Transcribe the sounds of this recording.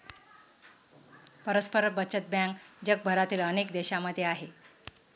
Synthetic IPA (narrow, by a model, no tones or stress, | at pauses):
pəɾəspəɾəbət͡ɕət̪̚bjãŋkd͡ʑək̚bʱəɾat̪iːlənekd̪eɕaməd̪ʱjeaɦe